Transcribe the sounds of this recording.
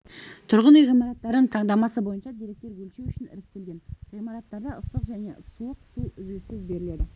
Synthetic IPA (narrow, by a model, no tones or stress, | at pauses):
t̪ʰʊɾʁənijʁijmɑɾɑt̪ːɑɾd̪əɴt̪ʰɑɴd̪ɑmɑsəbo̞jənʃɑd̪ijɾe̞k̚t̪e̞ɾɡɵlʃewʏʃɪnɪ̰ɾɪk̚t̪e̞lɡʲe̞nʁijmɑɾɑt̪ːɑɾd̪ɑʊst̪əqʒæne̞̰suəqsuʏzysɪzbe̞ɾɪle̞d̪ɪ